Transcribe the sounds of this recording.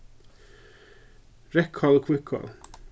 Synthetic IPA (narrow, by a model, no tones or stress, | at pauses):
ɾɛkʰhɑlkʰwɪkʰɑ̰l